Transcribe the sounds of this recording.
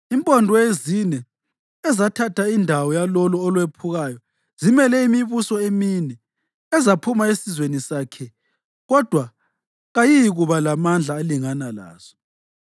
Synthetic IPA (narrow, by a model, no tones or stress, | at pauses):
impʼɔndʱɔezinɛ | ɛzatʰatʰaindʱawɔjalɔluɔlwepʰuɣajɔ | z̥imɛlɛimiβusɔeminɛ | ɛzapʰumaesizwenisakʰɛ | ɣɔd̥ʱwa | ɣajijiɣuβalamand͡ɮʱaːliŋanala̰ːz̥ɔ̥